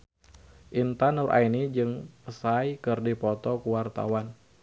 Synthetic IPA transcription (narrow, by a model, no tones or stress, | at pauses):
ʔint̪anurʔa̰inid͡ʒɨŋpəsajkɨrdipɔt̪ɔkuwart̪a̰wan